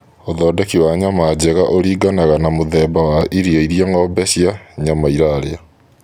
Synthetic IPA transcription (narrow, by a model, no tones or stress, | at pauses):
oðɔːdɛkiwaɲamad͡ʑɛɣaʔoɾiːɡanaɣanamoðɛːbawaʔiɾiaiɾjaŋɔːbɛɕjaɲamaiɾaɾea